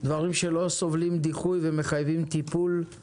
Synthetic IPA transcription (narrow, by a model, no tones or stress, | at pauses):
d̪vaʁimʃelo̞so̞vlimd̪iχujveme̞χajvimt̪ipul